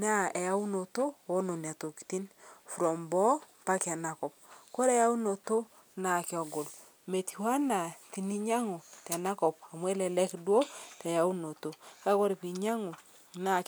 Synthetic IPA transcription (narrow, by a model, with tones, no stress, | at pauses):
na˦ɛ˨ja˦u˦no˨to˦o˦no˨n˨a˨to˨ki̥˨ti˦nfu˨ɾɔ˨mbɔ˦ | pa˦ka˨na˨kɔ˨p̚ko˦ɾɛ˨ja˦u˦no˨to˦ | na˨kɪ˦ɔ˨ɡo˨l | me˨ti˨wa˦na˨ti˨ni˦ɲa˦ŋo˨ta˨na˦kɔ˨p̚a˨mwɛ˦lɛ˨lɛ˦kdwo˦tɛ˨ja˨u˦no˨to˨˦ka˦kɔ˦ɾi˨pi˨ɲa˦ŋo˨ | na˦˨k